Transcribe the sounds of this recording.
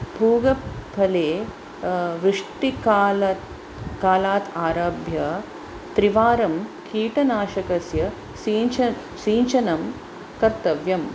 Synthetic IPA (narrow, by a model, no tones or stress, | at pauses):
bʱuːɡɐbʰʱɐleː | ʋɾɪʂʈikː | kaːlaːt̪aːɾaːbʱjɐ | t̪ɾiʋaːɾɐmkiːʈɐnaːʃɐkɐsjɐ | siː | siːɲt͡ʃɐnɐm | kɐɾt̪ɐʋjɐm